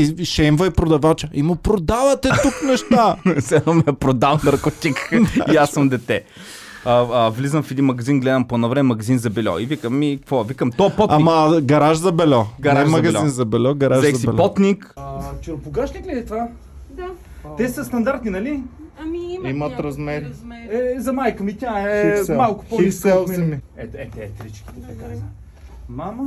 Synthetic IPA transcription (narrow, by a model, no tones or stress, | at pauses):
iʃɛmvəipɾod̪ɐvat͡ʃəimʊpɾod̪avɐt̪ɛt̪uknɛʃt̪asɛnɔmiɛpɾod̪afnɐɾkot̪ikiasːɐmd̪ɛt̪ɛ | əəvlizəmfɛd̪inmɐɡɐzinɡlɛd̪ɐmponɐvɾɛmɛmɐɡɐzinzɐbɛlʲɔ̰ivikəmːikɐkvɔɛvikəmt̪ɔɛpɔamɐɡɐɾaʃzɐbɛlʲɔɡɐɾaɛʒmɐɡɐlʲinzɐbɛlʲɔɡɐɾaʒɐilpɔt̪nikzt͡ʃoɾpʊɡaʃniklʲɛd̪ɛt̪va | d | t̪ɛsɐst̪ɐnd̪aɾt̪ninɐli | imɐt̪ɾɐzmɛɾiɛzɐmajkəmit̪ʲaɛɛmalˠkʊ̥pɔiiksɛlˠmɛmiɛt̪ɛt̪ɛt̪ɾit͡ʃkʲi̥t̪ɛt̪ɐkaimɐ | mamə